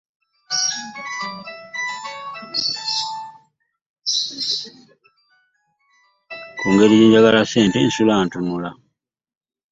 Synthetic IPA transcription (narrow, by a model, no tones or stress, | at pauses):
kuŋɡeɾiɟiːɲɟaɡalaseːntensulantunula